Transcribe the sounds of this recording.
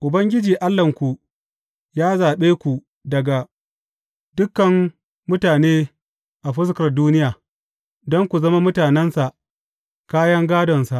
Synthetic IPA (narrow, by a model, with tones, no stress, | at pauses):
ʔʊ˨bɐ˦ŋɡʲɪ˦d͡ʒiː˨ʔa˦lːɐ˨ŋkʷu˨ | jaː˦zaː˨ɓeː˦kʷu˨ | dɐ˨ɡa˨ | dʊ˦kːɐ˨m | mʊ˦taː˨neː˦ | ʔa˨ɸɪ˦s̬kɐ˨rduː˦nɪ˦jaː˨ | dɔ˦ŋkʷu˨zɐ˦ma˦mʊ˦taː˨nɛ˦nsa˨ʔ | kaː˦jɐ˦ŋɡaː˦dɔ˨nsa˨ʔ